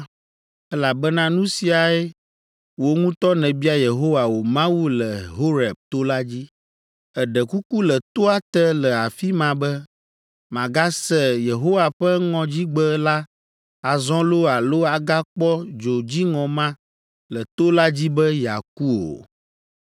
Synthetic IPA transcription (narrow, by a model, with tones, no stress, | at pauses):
ɛ˦la˨bɛ˦nã˦nũ˦si˨a˨e˦ | wo˨ŋũ˦t̪ɔ˦nɛ̃˨bi˦a˦je˨ɦo˦wa˨wo˨mã˦wu˦lɛ˨ɦo˦ɾɛ˨b̚t̪o˦la˦d͡ʑi˦ | ɛ˨ɖɛ˨ku˦ku˦lɛ˨t̪o˦a˦t̪ɛ˦lɛ˨a˨fi˦mã˨bɛ˦ | mã˨ɡa˦sɛ˦je˨ɦo˦wa˨ɸɛ˦ŋɔ̃˨d͡ʑi˦ɡ͡bə˦la˦ | a˨zɔ̃˦lo˦a˨lo˦a˨ɡa˦k͡pɔ˦d͡ʒo˨d͡ʑi˦ŋɔ̃˨mã˦ | lə˨t̪o˦la˦d͡ʑi˦bɛ˦ja̰˨k̚u˦o̰˨